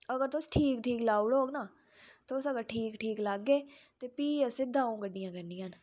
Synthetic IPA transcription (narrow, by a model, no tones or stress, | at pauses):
əɡəɾt̪ʊsʈʰiːkʈʰiːklaːuɽoːɡnaː | t̪ːʊsəɡəɾʈʰiːkʈʰiːklaɡːeːt̪eːpiːəsɪd̪ʱãːõːɡəɖːijãːkəniːjãːn